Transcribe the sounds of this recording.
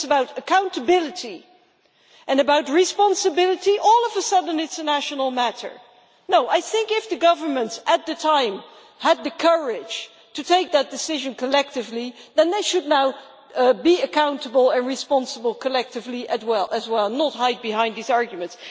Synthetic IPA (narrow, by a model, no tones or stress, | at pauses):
səbaʊɾɨkʰãʊ̃ntəbɪlˠɨɾi | ʔɨ̃nɨbaʊt̚ɹispɑ̃nsɨbɪlˠɨɾiʔɔlˠʌvəsʌdⁿn̩ɪtsənæʃənl̩ˠmæɾə̰˞ | noʊʔaɪθɪ̃ŋkɪfðɨɡʌvə˞mə̃ntsət̪̚ðɨtʰãɪ̃m | həd̪̚ðɨkʰɜ˞ɪd̥ʒ̥ | tʰɨtʰeɪk̚ðɨt̚d̥ɨsɪʒɨ̃nkʰəlɛk̚tɨvliðɨ̃nðeɪʃɨdⁿnaʊ | biɨkãʊ̃ntəbəl̩ˠə̃nɹispɑ̃nsəbəl̩ˠkʰəlɛk̚tɨvliʔɨzwɛlˠəzwɛlˠnət̚ɦaɪd̚bɨɦãɪ̃ndðizɑɹɡjmɨ̃nts